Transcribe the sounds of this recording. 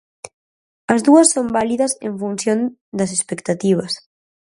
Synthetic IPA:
ɐzðuɐsːombaliðɐsḛɱfunsjon | d̪ɐs̬espekt̪at̪iβ̞ɐs

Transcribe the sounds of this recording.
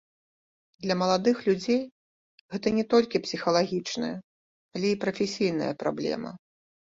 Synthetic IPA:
d̪lʲɐmɐlˠad̪ɨxlʲud͡zʲej | ɣɛt̪ɐnʲɛt̪ɔlʲkʲipsʲixɐlˠaɣʲit͡ʂnɨ̰jɐ | alʲɛipɾɐfʲɛsʲijn̪ɐ̰jɐ̰pɾa̰blʲɛ̰mɐ̰

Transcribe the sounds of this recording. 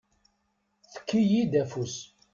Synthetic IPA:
θə̥kːijid̪æfus

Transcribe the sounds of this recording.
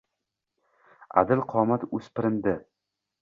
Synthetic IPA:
a̰d̪ɪlqʰɒːmat̪ɵspɪɾɪnd̪ɪ

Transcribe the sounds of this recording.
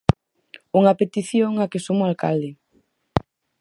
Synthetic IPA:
uŋapet̪iθjoŋakesumʊalka̰ld̪e

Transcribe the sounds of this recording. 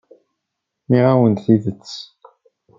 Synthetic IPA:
miʁawənt̪θiðət͡sː

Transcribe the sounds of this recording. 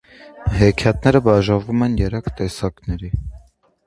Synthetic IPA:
ɦɛkʰjɑt̪̚nɛɾəbɑʒɑvumɛnjɛɾɛkt̪ɛsɑknɛɾi

